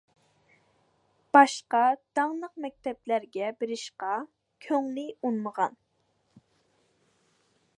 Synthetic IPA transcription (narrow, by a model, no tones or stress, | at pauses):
b̥ɑʃqɑd̪̥ɑŋlˠəq̚mɛk̚ʲt̪ʰɛplæɾɡʲɛbeɾɪʃqɑ | kʲʰøŋlɪunməʁɑ̰n